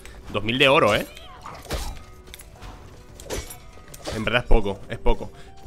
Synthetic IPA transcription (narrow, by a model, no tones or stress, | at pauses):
d̪o̞zmild̪e̞o̞ɾoe | embeɾðaespokoe̞spoko